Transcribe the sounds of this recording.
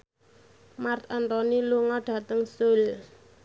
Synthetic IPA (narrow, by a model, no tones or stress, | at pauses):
mart̪ant̪ɔniluŋɔɖ̥a̤t̪əŋsʊl